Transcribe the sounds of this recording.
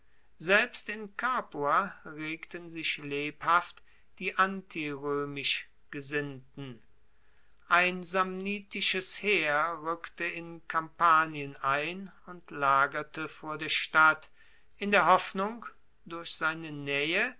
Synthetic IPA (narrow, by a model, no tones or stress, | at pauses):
zɛlpstɪnkʰaːpuaʁeːktənzɪçleːphaft | d̥iːʔantʰiʁøːmɪʃ | ɡ̥əzɪntn̩ | ʔaɪnzamniːtɪʃəsheːɐʁʏktəɪnkʰampaːnjənaɪnʊntlaːɡɐtəfoːɐdeːɐʃtat | ʔɪndeːɐɦɔfnʊŋk | d̥ʊɐçz̥aɪnənɛːə